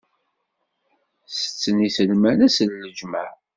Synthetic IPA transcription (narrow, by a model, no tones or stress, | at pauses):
sə̥t͡sːənisəlmænæsəlːəd͡ʒməʕ